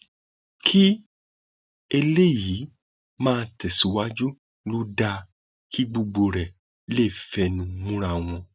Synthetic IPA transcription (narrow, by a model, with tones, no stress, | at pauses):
kʰi˦ | e˧le˦jiː˨˦ | mãː˦˧tɛ˨si˨˦wa˦d͡ʒu˦ | lu˦da˧ | kʰi˦ɡ͡bo˧ɡ͡bo˧ɾɛ˨ | le˦˨fɛ˧nũ˧mũ˦ɾa˦˨w̃ɔ̃˧